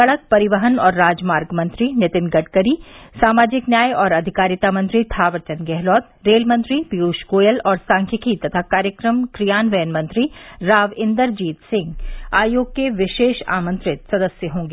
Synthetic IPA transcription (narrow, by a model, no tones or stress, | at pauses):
kɐɭək̚pɐɾɪʋəɦənɔːɾːaːd͡ʒmaːɾɡmɐ̃nt̪ɾinɪt̪ɪnɡɐʈkəɾisaːmaːd͡ʒɪknjaːjɔːɾɐd̪ʱɪkaːɾjɪt̪amɐ̃nt̪ɾiʈ̪ʰaːʋəɾt͡ʃənɡɛɦlɔːt̪ɾeːlmɐ̃nt̪ɾipiuːʃkoːjəlɔːɾsãːŋkʰəkʰit̪ɐt̪ʰakaːɾjəkɾəmkɾijaːnʋɐjənmɐ̃nt̪ɾiɾaːʋɪ̃nd̪əɾd͡ʒiːt̪sɪ̃ŋɡaːjoːɡ̚keʋɪʃeːʃa̰ːmə̃nt̪ɾɪt̪sɐd̪əsjəɦõːŋɡeː